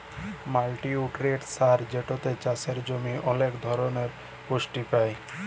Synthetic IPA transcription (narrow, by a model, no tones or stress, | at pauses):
malʈiuʈɾeʈsaɾd͡ʑeʈot̪et͡ɕaseɾd͡ʑomiʔɔnekd̪ʱɔɾoneɾ | poʃʈipaj